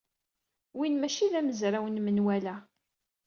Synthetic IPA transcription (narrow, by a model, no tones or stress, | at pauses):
winmæʃiðæməzɾawənmənwælæ